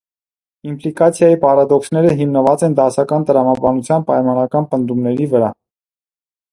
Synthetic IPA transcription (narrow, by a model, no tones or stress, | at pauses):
implikɑt͡sʰjɑjipɑɾɑd̪ɔksnɛɾəɦimnəvɑt͡sɛnd̪ɑsɑkɑnt̪əɾɑmɑbɑnut͡sʰjɑnpɑjmɑnɑkɑnpənd̪umnɛɾivəɾɑ̰